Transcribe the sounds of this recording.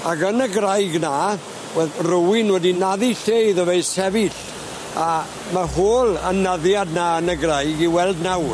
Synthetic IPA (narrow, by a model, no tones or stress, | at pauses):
akənəɡrajɡna | wɛrʊwɪnwɛdinaðiɬejðəveɨsɛvɪɬ | a | mahoːlˠənaðjadnaənəɡrajɡiwɛlˠdnaw